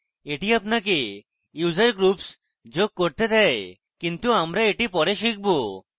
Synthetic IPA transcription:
eʈiapnake | juzaɾɡɾups | d͡ʒoɡ̚kɔɾt̪ed̪ɛe | kint̪uamɾaeʈipɔɾeʃik̚bo

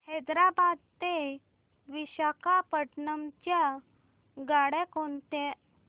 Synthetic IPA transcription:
hɛd̪ɾabad̪̚t̪e | ʋiɕakapəʈɳəmt͡ɕja | ɡaɽekont̪e

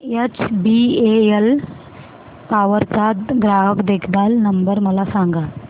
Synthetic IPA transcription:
jet͡ʃbieel | paːʋəɾt͡sat̪ɡɾaːɦəkd̪eːkʰd̪aːlnəmbəɾməlasãŋɡa

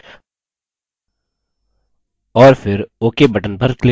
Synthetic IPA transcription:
ɔːɾfʰɪɾoːkebʱɐʈənpɐɾkle

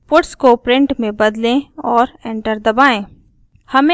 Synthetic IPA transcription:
pʊʈskopɾɪ̃ɳʈmẽbɐd̪lẽɔːɾẽːɳʈəɾd̪ɐbaːẽː | hɐmẽ

